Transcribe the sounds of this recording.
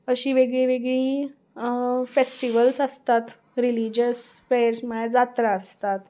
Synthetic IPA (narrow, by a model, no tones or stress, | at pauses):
əɕiːʋeɡɭiːʋeɡɭiː | fesʈiʋəlsəst̪at̪ | ɾilid͡ʑəsfɾeəɾsm̤əɳ̃ed͡zat̪ɾaːst̪at̪